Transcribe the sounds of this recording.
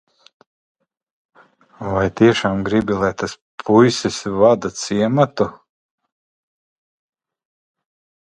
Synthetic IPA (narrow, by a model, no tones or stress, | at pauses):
vajt̪iɛʃaːmɡɾibilˠajt̪as | pʰujsisvad̪at̪siɛmat̪u